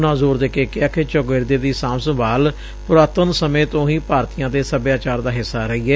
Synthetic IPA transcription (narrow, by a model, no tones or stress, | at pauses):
nãːzoːɾd̪eːkeːkɪaːket͡ʃoɡeɾd̪eːd̪iːsãːmsəbaːl | pʊɾaːt̪ənsəmẽːt̪õːɦiːpaːɾt̪ijãːd̪eːsəbjaːt͡ʃaːɾd̪aːɦɪsːaːɾəiːɛː